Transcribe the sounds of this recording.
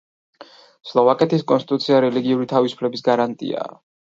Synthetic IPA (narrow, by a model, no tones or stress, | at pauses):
slˠɔvakʼɛt̪ʰiskʼɔ̰nst̪it̪ʼut̪sʰiaɾɛliɡiuɾit̪ʰavisu̥pʰlɛbisɡaɾant̪ʼḭa̰